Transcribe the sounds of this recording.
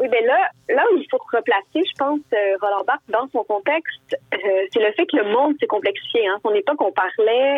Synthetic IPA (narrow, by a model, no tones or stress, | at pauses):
wibɛlalailfoʁəplaseʒəpɑ̃søʁəlɑ̃baʁk̚d̪ɑ̃sɔ̃kɔ̃t̪ɛkst̪sɛləfɛkələmɔ̃d̪sekɔ̃plɛksi̥fjeɛ̃sɔ̃nepɔkɔ̃paʁlɛ